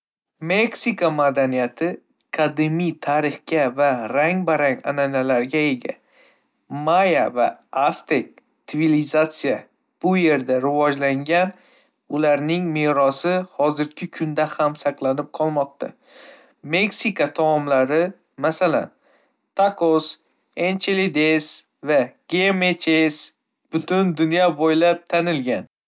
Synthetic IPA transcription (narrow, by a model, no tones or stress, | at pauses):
me̞ksikamad̪anijat̪ʰɪ | kʰad̪ɪmijt̪ʰaɾɪχkʲavaɾaŋbaɾaŋa̰nanalaɾɡʲae̞ɡʲa̰ | majava̰ast̪ek̚ʲ | t̪ʰɪvilizat̪sija | b̥ʊje̞ɾd̪aɾɪvɒd͡ʒlaŋɡʲan | ʊlaɾnɪŋmeɾɒsɪhɒzɪɾkʲʰɪkʰʊnd̪ahamsɑqlˠanɪp̚qʰɒlˠmɒq̚t̪ʰa̰ | me̞ksikat̪ʰamɒmlaɾɪ | masala̰n | t̪ʰakos | ent͡ʃʰelid̪es | vaɡ̥ʲemet͡ʃʰes | b̥ʊt̪ʊnd̪ʊnjɒbojlap̚t̪ʰanɪlɡʲan